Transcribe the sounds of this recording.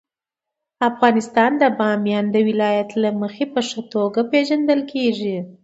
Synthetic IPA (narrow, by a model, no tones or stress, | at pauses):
afɣɑnɪst̪ɑnd̪əbɑmjɑnd̪əwɪlɑjat̪laməxepəʂət̪oɡapeʒand̪əlkʰeʐi